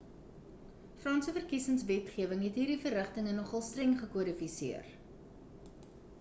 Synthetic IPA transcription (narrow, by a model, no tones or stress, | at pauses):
frɑnsəfərkisəŋsvɛtχiəvəŋɦɛtɦiːrdifərəχtəŋənɔχɑlˠstrɛŋχəkuəɾifisiər